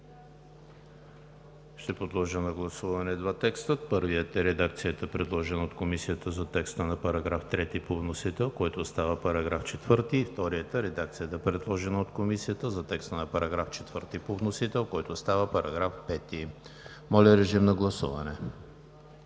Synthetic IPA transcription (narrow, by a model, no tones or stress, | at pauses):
ʃt̪ɛpɾod̪lˠɔʒənɐɡlˠɐsuvɐnɛd̪vat̪ɛkst̪ət̪̚pɤɾvijət̪ɛɾɛd̪ak̚t̪sijət̪əpɾɛd̪lˠɔʒɛnəot̪komisijət̪əzɐt̪ɛkst̪ənɐpɐɾɐɡɾaft̪ɾɛt̪ipovnosit̪ɛlˠkɔjt̪ost̪avəpɐɾɐɡɾaft͡ʃɛt̪vɤɾt̪iːft̪ɔɾijət̪əɾɛd̪akt̪sijət̪əpɾɛd̪lˠɔʒɛnəot̪komisijət̪əzɐt̪ɛkst̪ənɐpɐɾɐɡɾaft͡ʃɛ̥t̪v̥ɤɾt̪ipovnosit̪ɛlˠkɔjt̪ost̪avəpɐɾɐɡɾafpɛt̪i | mɔlʲɐɾɛʒimnɐɡlˠɐsuvɐnɛ